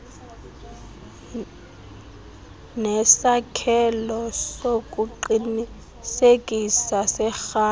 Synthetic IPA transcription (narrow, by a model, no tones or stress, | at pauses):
nɛsakʰɛlɔsokʼuǃini | sekʼisasɛxaː